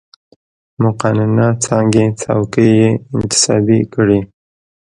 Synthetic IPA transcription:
mʊqɑnɪnat͡sɑŋɡet͡sa̰wkəjeɪnt̪ɪ̥sɑ̰bikəɽi

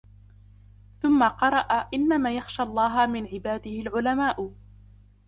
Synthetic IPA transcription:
θʊmːaqɑɾˤɑʔaʔɪnːamaːjaxʃaːʔɑlˤːɑːɦamɪnʕɪbaːd̪ɪhɪlʕʊlamaːʔ

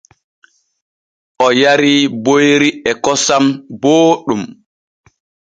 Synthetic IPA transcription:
ʔɔjaɾibojɾiɛkɔsamboːɗum

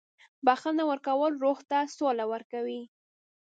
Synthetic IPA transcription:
baxanawəɾkawəlɾoɣt̪asolawəɾkawi

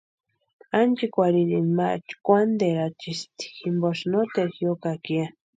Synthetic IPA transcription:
ant͡ʃikʷaɾiɾinma̰t͡ʃkʷand̪eɾat͡ʃist̪i̥ximboʃnot̪eɾxjokakia

